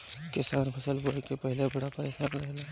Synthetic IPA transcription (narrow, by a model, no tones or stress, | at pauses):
kɪsaːnpʰɐsəlɡoekepɛɦɪlebɐɽapajsakɾɐɦla